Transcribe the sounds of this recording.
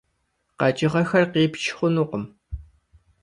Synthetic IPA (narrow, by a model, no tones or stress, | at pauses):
qɑt͡ʃʼɪʁɐxɐrqiːpʃχʷʊnuːqəm